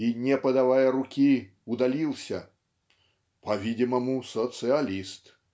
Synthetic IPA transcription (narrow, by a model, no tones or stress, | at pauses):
inʲɛpɐd̪avajɐɾʊkʲi | ʊd̪alʲilˠsʲɐ | pɐvʲidʲɪmɐmʊsət̪sɨɐlʲist̪